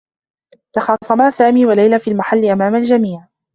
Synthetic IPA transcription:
t̪ɑxɑːsˤɑmaːsaːmiːwalajlafiːlmaħalːɪʔamaːmald͡ʒamiːʕ

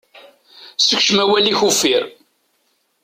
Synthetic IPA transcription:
səkʃəmæwæliçufiɾ

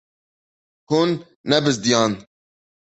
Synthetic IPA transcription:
hunː | ɛbɨzd̪ijɑːn

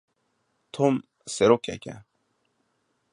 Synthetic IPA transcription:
t̪ʰom | seɾoka̰kʲa̰

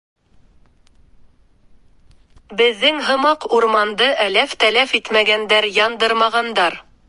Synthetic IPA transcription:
bɘ̆ðːɘŋɦɤ̆mɑquɾmɑnd̪ɤʔælæft̪ælæfit̪mæɡænd̪æɾjɑnd̪ɤɾmɑʁɑnd̪ɑɾ

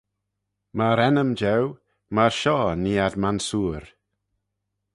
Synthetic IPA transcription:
maɾɛnəmd͡ʒɛw | maɹʃɔːniːadmansuːɾ

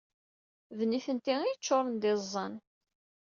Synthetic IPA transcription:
vniθənt̪iijət͡ʃːoɾˤənd̪ɪzˤːɑn

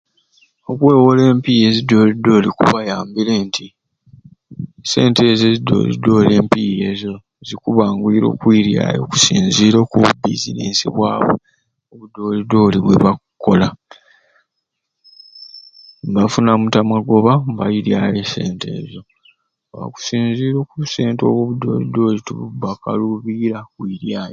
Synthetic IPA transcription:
okweːwole̞ːmpije̞zido̞ːlido̞ːlikṵβajaːmbile̞ːntʰi | se̞̰ːnte̞zezido̰zḭdo̞le̞ːmpije̞ːzo̞ | zikuβaːŋɡwiɾo̞̰ːkwiːɾja̰ːlo̰ku̥siːnziːɾo̞kuβubḭzḭnḛːsḭβwaːβo̰ | oβudo̞lido̞liβweβakkːo̞̰la | mbafunamutamaɡo̞βambajiɾjaːlese̞ːntʰe̞̰ːzo̞ | a̰ku̥siːnziːɾo̞kuse̞ːnto̞̰ːβoːβudo̞ːlido̞ːituβubaka̰luβiɾakwiɾjaːjo

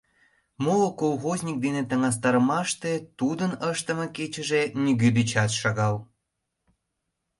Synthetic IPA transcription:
molokolxozʲnʲik̚d̪inet̪ə̆ŋɑs̬t̪ɑɾəmɑʃt̪et̪ud̪ənəʃt̪ə̆meket͡ɕə̆ʒenyɣød̪it͡ɕɑt̪ʃɑɣɑl

